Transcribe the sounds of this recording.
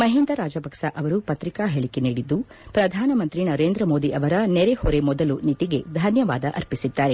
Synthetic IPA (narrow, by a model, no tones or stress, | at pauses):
mɐɦind̪ɐɾaːd͡ʒɐbɐkʂɐʔɐʋɐɾupɐt̪ɾikaːɦeɭikeniːɽid̪ːu | pɾɐd̪ʱaːnɐmɐnt̪ɾinɐɾeːnd̪ɾɐmo̞ːd̪iʔɐʋɐɾɐneɾehɔɾe̞mɔd̪ɐlunit̪iɡe̞d̪ʱɐnjɐʋaːd̪ɐʔɐɾpisid̪ːaːɾe̞